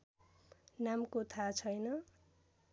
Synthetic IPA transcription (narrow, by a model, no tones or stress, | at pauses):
namkot̪ʰat͡sʰʌjnʌ